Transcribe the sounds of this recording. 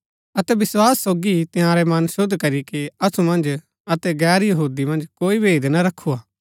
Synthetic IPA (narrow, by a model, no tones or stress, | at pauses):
ɐt̪ɛbɪswaːsːoːɡit̪ɪjãːɾɛmɐnʃʊd̪ʱːkɐɾikiɐsumɐ̃nd͡ʒ | ɐt̪ɛɡɛːɾjɐɦuːd̪imɐ̃nd͡ʒkoːibeːd̪nɐɾɐkʰːuaː